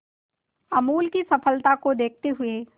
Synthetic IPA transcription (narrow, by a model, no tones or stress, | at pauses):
ɐmuːlkisɐfəlt̪akod̪eːk̚ʰt̪eɦʊe